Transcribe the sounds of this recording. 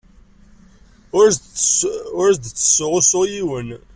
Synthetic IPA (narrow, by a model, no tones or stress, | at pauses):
ʊɾsd̪t͡sːə̥sːʊʁʊsʊʁjiwən